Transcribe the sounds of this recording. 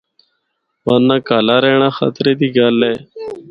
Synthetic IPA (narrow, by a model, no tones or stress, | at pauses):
waːnːãːkaːlaːɾeːɳãːxə̰t̪ɾeːd̪iːɡaːlːeː